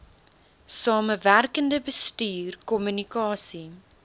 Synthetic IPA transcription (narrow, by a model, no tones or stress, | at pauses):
sɑːməværkəndəbəstyːrkɔmynikɑːsi